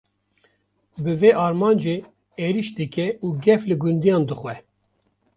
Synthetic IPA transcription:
bɨveʔɑːɾmɑːnd͡ʒe | eɾiʃd̪ɨkʲʰɛuːɡɛflɨɡund̪ijɑːnd̪ɨxwɛ

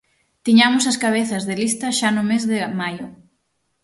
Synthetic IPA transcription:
t̪iɲamʊsɐskaβ̞eθɐzðɪlist̪ɐʃanʊmezðɪmajʊ

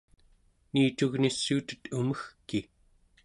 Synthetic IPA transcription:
niːt̪uɣnisːuːt̪ə̥t̪uməxkːi

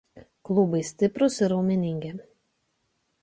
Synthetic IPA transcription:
klˠʊbɐɪsʲt̪ʲɪpɾʊsɪɾɐʊmʲɪnʲɪŋʲɡʲɪ

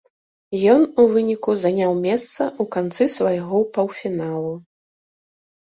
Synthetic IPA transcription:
jɔnuvɨnʲikuzanʲawmʲɛst̪sɐukant̪sɨsvajɣɔpɐwfʲinalˠu

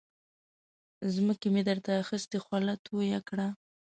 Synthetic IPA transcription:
zməkemed̪əɾt̪aːxəst̪exwalat̪ojakɽa

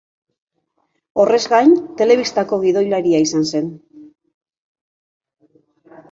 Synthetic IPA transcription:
o̞re̞zɡajnt̪e̞le̞βist̪ako̞ɣ̞iðo̞jlaɾiaisanse̞n

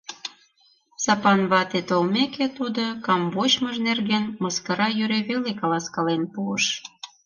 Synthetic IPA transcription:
sɑpɑnβɑt̪et̪olmeket̪ud̪okɑmvot͡ɕməʒnerɣenmɤskɤ̆ɾɑjyɾeβelekɑlɑskɑlenpuəʃ

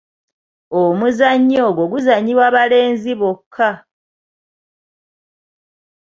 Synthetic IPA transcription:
omuzaɲːo̞ːɡoɡuzaɲːiwaːβale̞ːnziβokʰːa

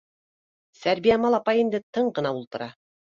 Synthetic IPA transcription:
sæɾbijæmɑlˠɑpɑjind̪ɘt̪ɤɴɢɤ̆nɑulˠt̪ɤ̆ɾɑ

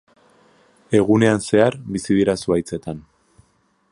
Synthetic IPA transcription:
e̞ɣ̞une̞anse̞aɾβisið̞iɾasuajt͡se̞t̪an

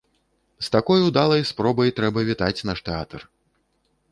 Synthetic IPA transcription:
st̪akɔjwd̪alˠɐjspɾɔbɐjt̪ɾɛbɐvʲit̪at͡sʲnaʂt̪ɛat̪ɐr

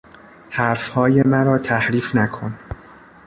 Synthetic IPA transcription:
hæɾfhɒːjemæɾɒːt̪ʰæhɾiːfnækʰon

